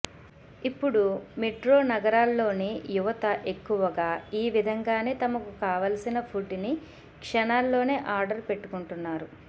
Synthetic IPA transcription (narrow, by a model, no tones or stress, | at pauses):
ipːuɽumeʈɾo̞ːnɐɡɐɾaːlːo̞ːnijuʋɐt̪ɐʔe̞kːuʋɐɡaːiːʋid̪ʱɐŋɡaːne̞ːt̪ɐmɐkukaːʋaːlɐsinɐpʰuɖni | kʂɐnaːlːo̞ːne̞ːʔaːɾɖɐɾpe̞ʈːu̥kuɳʈunːaːɾu